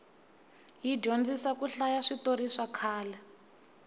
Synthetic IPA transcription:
jidond͡zisakuɬajaʂitoɾiʂakʰaːlɛ

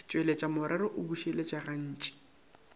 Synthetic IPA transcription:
t͡ʃʼwelet͡ʃʼamʊɾʔaɾʊʔʊbuʃelet͡ʃʼaɣan̩ːt͡ʃʼi̥

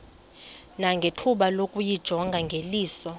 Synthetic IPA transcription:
naŋɡʱetʰuɓalokʼujid̥ʒ̥ʱɔŋɡʱaŋɡʱeliːsɔ

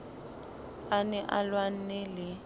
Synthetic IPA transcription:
anɛʔalwan̩nɪlɪ

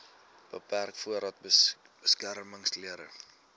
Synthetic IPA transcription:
b̥əpærkfuəɾɑːt̚b | b̥əskærməŋsliəɾə

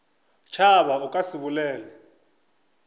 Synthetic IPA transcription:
t͡ʃʰaβaukʼasiβulɛːlɛ

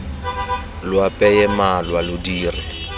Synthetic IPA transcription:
lwapʼɛjɛmalwalʊdiːrɪ

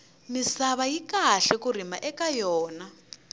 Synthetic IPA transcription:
misaβajikaɬɛkur̤imaʔɛkajɔːna

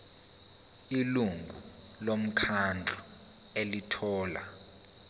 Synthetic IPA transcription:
iluŋɡʱu | lom̩kʰand͡ɮʱu | elitʰɔːla̰

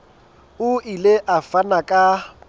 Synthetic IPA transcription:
ʊileʔafanakʼa

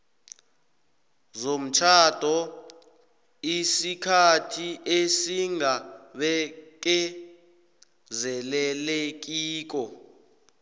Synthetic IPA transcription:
zom̩t͡ʃʰad̥ʱɔ | isikʰatʰiʔesiŋaɓɛk̬ɛ | zɛlɛlek̬iːk̬ɔ

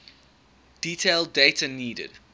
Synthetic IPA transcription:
d̥iːtʰeɪlˠdeɪtʰəniːdə̰d̥

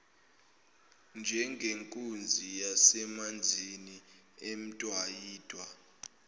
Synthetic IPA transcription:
nd͡ʒʱɛŋɡʱeŋkʼund͡zʱijasɛmand͡zʱini | em̩tʼwajiːtʼwa

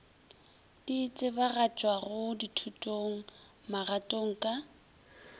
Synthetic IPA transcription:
d̥iːt͡sʼɪbaɣat͡ʃʼwaɣʊditʰutʼoŋ̩maɣatʼoŋ̩kʼa

